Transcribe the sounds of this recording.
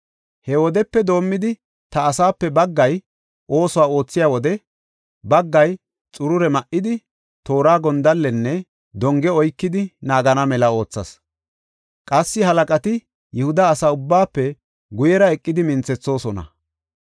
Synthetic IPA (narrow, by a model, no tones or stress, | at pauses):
hɛwɔd̪ɛpːɛd̪o̞ːmːɪd̪ɪ | t̪ɐːsaːpːɛbɐɡːɐj | ʔo̞ːsɔwaːo̞ːt͡sːɪjaːwɔd̪ɛ | bɐɡːɐj | t͡sʼʊɾʊɾɛmɐʔɪd̪ɪ | t̪o̞ːɾaːɡɔnd̪ɐlːɛnːɛ | d̪ɔŋɡɛɔjkːɪd̪ɪnaːɡɐnɐmɛlɐo̞ːt͡sːɐs | kʼɐsːɪhɐlɐkʼɐt̪ɪ | jɛhʊd̪ɐːsaːʊbːaːpːɛ | ɡʊjɛɾɐɛkʼːɪd̪ɪmɪnt͡sːɛt͡sːo̞ːsɔnɐ̰